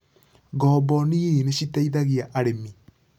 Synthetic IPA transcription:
ɡɔbɔniineɕitaiðaɣiaʔaɾemi

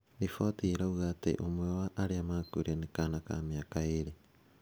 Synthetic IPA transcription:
ɾifotiːɾauɣatḛʔomwewaʔːɾiamakuɾenikanaka̰miakaiɾi

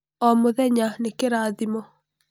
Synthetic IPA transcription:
ɔmoðɛɲanekeɾaːðimɔ

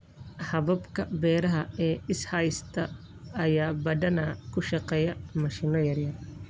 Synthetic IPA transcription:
hɐβɐbkʰɐbɛːɾɐɦɐɛːɪshɐjst̪ʰɐː | jaːbɐd̪ɐnakʰʊʃɐqɛjɐmɐʃinɔjɐrjɐr

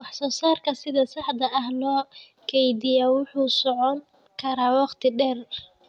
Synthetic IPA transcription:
wɑħsɔːsaːrkʰɐsɪðɐsɑħd̪ɐʔɐhlɔː | kʰɛjd̪ɪjaːwʊħuːsɔʕɔŋ | kʰɐɾaːwɑqt̪ʰɪɖɛːr

